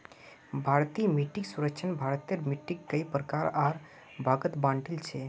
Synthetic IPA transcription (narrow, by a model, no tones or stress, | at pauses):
bʱaɾt̪imiʈːiksuɾəkt͡ʃʰənbʱaɾt̪jəɾmiʈːikːəjpɾəkaɾaɾ | bʱaɡət̪bãɳʈilt͡ʃʰɛ